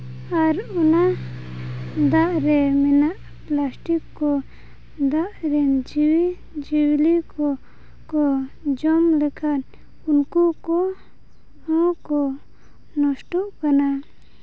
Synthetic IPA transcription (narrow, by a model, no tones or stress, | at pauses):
aɾɔna | d̪aʔɾɛmɛnaʔ | plasʈikːɔ | d̪aʔɾɛnd͡ʒiwi | d͡ʒiwlikɔ | kɔd͡ʒɔmlɛkʰan | unkukɔ | ɔ̃kɔ | nɔsʈɔʔkana